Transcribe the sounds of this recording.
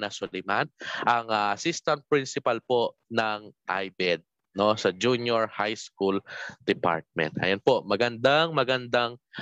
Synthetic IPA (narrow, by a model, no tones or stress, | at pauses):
nɐsʊlɛjmanʔɐŋaʔɐsist̪ɐnt̪̚pɾɪnsɪpɐlpoʔnɐŋʔa̰jbɛd̪̚ | nosɐd͡ʒunjoɹhajskuld̪̥ɛpa̰ɹt̪̚mɛ̰nt̪ʔɐ̰jonpo̞ʔmɐɡɐnd̪aŋmɐɡɐnd̪aŋ